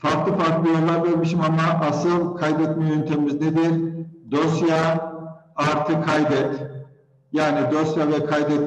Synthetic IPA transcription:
faɾklˠɯfaɾklˠɯjo̞lˠːaɾveɾmiʃimamaʔasɯlˠkʰajd̪ɛt̪mejynt̪ʰemizned̪iɾd̪o̞sja | aɾt̪ʰɯkʰajd̪ɛt̪ | jaːnid̪o̞sjavɛkʰajd̪ɛt̪̚

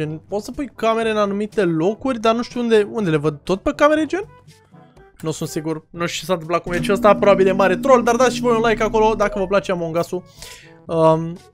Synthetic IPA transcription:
enpo̞t̪səpujkame̞ɾe̞ɨnanumit̪e̞lo̞kurʲd̪anuʃt̪ʲuund̪e̞und̪e̞le̞vəd̪̚t̪o̞t̪̚pekame̞ɾed͡ʒen | nusunt̪siɡurnuʃt͡ʃes̬ant̪ɨmplakumet͡ʃiəst̪apɾobabilemaɾet̪ɾo̞ld̪ard̪at̪iʃivojunlajkako̞lo̞d̪akəvəplat͡ʃeamoŋɡasu | əm

